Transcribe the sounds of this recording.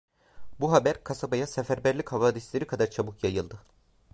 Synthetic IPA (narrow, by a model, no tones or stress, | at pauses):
buɦabæɾkʰasabajasefæɾbæɾlʲichavaːd̪islʲeɾikʰad̪aɾt͡ʃʰabukjajɯlˠd̪ɯ